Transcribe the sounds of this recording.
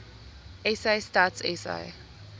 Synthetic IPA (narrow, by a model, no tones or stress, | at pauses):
ɛsaɪstaːtsɛsa̰ɪ